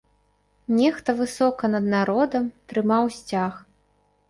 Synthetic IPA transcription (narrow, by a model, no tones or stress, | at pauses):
nʲɛxt̪ɐvɨsɔkɐnɐd̪̚naɾɔd̪ɐmt̪ɾɨmawsʲt͡sʲax